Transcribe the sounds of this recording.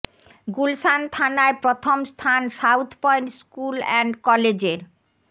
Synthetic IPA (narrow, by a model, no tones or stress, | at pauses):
ɡulsant̪ʰanaepɾot̪ʰomst̪ʰanʃawt̪ʰpɔjnʈskulɛ̰nɖkɔled͡ʑeɾ